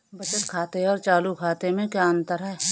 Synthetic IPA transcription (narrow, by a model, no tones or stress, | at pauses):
bɐt͡ʃət̪kʰaːt̪eɔːɾt͡ʃaːlukʰaːt̪emẽkjaːənt̪əɾaɦɛ